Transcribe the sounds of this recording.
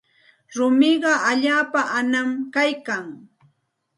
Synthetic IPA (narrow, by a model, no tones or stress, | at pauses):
ɾʊmɪɢɑaʎaːpaʔanamkajkaŋ